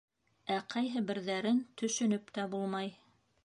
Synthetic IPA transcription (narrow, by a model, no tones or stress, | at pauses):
æqʰɑjɦɘbɘ̆ɾðæɾɘnt̪ɵ̆ʃɵ̆nɵpt̪æbulˠmɑj